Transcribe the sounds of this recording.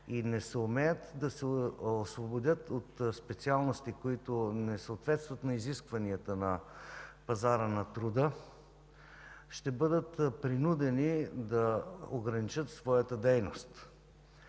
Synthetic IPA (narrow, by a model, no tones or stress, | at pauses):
inɛsɛʊmɛjət̪d̪ɐsɛosvobod̪ʲət̪ot̪spɛt̪sialˠnost̪ikoit̪onɛsəːt̪vɛt̪st̪vɐt̪nɐiziskvɐniət̪ənɐ | pɐzaɾənɐt̪ɾud̪ə | ʃt̪ɛbɤd̪ət̪pɾinud̪ɛnid̪ɐoɡɾɐnit͡ʃət̪svɔjət̪əd̪ɛjnost̪